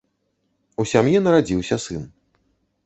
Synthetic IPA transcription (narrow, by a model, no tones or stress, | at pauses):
usʲamjɛnɐɾad͡zʲiwsʲɐsɨn